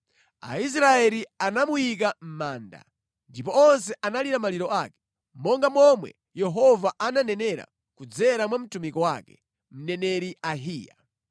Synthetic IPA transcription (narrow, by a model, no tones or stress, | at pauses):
a̰is̬ɾaɛɾianamujikam̩maːnda̰ | ndipɔɔns̬ɛʔanaliɾamaliɾɔʔaːkɛ̥ | mɔŋɡamɔmwɛ̰ | jɛɦɔvaʔananɛnɛɾa̰ | kud͡zɛɾamwam̩tumikɔwakɛ̰ | m̩nɛnɛɾiaɦiːja̰